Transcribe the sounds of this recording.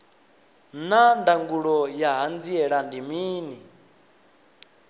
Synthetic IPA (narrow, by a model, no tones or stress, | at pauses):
nandaŋɡuɺɔjaɦand͡ziɛɺandimiːni